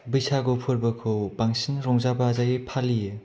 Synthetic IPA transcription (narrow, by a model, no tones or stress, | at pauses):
bɯjsʰaɡopʰɯɾbɐkʰɯwb̥aŋsinɾɔŋzabazajepʰalijɯ